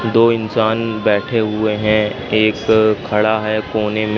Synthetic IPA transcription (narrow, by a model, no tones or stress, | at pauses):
d̪oːɪnsaːnbɛːʈʰeɦʊeɦɛ̃ | eːkʰːɐɽaɦɛkoːnem